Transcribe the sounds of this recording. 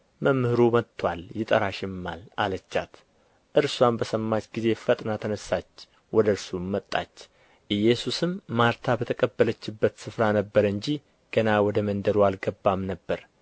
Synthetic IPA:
məmhɨɾomət̪ʰːwaljɪt̪ʼəɾaʃɪmːa̰la̰lət͡ʃːat̪ | ʔɨɾswambəsəmːat͡ʃɡize̞fət̪ʼnat̪ʰənəsːat͡ʃː | wɔd̪əɾsumːət̪ʼːa̰t͡ʃː | ʔɨjːɛsusɨmːaɾt̪ʰabət̪ʰəkʼəbːələt͡ʃːɪbːət̪sɨfɾanəbːəɾɨɲd͡ʒi | ɡ̥ənawɔd̪əmənd̪əɾoalɡəbːamnəbːəɾ

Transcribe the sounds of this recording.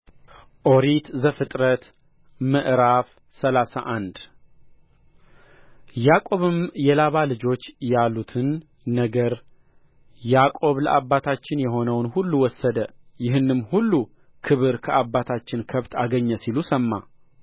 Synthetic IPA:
ʔo̞ɾit̪zəfɨt̪ʼɾət̪ | mɨʔɾaf | səlasa̰ʔand̪ | jakʼo̞βɨmjɛlaβalɨd͡ʒo̞t͡ʃːjalːut̪ʰɨnː | əɡəɾ | jakʼo̞βləʔabːat̪ʰat͡ʃːɪnjɛɦo̞nəwnhulːuwɔsːəd̪əjɪɦɨnːɨmːhulːu | kʰɨβɨɾkʰəabːat̪ʰat͡ʃːɪnkʰəβt̪ʰaɡəɲːəsilusəmːa̰

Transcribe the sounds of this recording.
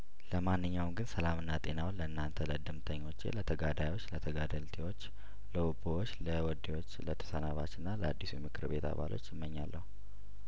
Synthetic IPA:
ləmanːɨɲːawmɡɨnsəlamɨnːat̪ʼe̞nawnləɨnːant̪ʰələd̪ɨmt̪ʰəɲːo̞t͡ʃːḛlət̪ʰəɡad̪ajo̞t͡ʃːlət̪ʰəɡad̪əlt̪ʰewot͡ʃː | ləubowot͡ʃːləwɔd̪ewo̞t͡ʃːlət̪ʰə̥sənaβat͡ʃːɨnːaləad̪ːisumɨkʰɨɾbe̞t̪a̰βa̰lo̞t͡ʃːɪmːəɲːa̰lːəhu

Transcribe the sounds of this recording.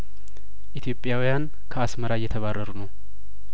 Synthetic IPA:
ʔit̪ʰjo̞pʼːjawijan | kʰəasməɾajːɛt̪ʰəβarːəɾunəw

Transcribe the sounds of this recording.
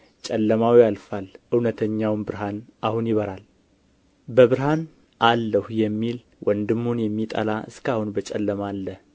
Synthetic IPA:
t͡ʃʼɛlːəmawijalfalɨwnət̪ʰəɲːawnbɨɾɦanʔahunjɪβəɾal | bəβɨɾhan | ʔalːəhjɛmːil | wʔənd̪ɨmːunjɛmːit̪ʼa̰laɨ̰skahunbət͡ʃʼɛ̰lːəmalːə

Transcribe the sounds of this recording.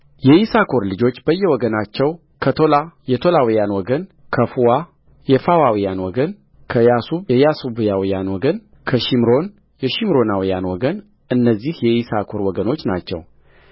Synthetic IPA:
jɛisakʰo̞ɾlɨd͡ʒo̞t͡ʃːbəjːɛwɔɡənat͡ʃːɛw | kʰət̪ʰo̞lajɛt̪ʰo̞lawijanwɔɡən | kʰəfuwa | jɛfawawijanwɔɡən | kʰəjasuβjɛjasubjawijanwɔɡən | kʰəʃimɾo̞n | jɛʃimɾo̞nawijanwɔɡən | ʔɨnːəzːihjɛisakʰo̞ɾwɔɡəno̞t͡ʃːnat͡ʃːɛ̰w

